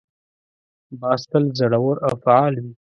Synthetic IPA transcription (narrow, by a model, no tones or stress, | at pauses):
bɑst̪əlzaɽawəɾawfaʕɑlwi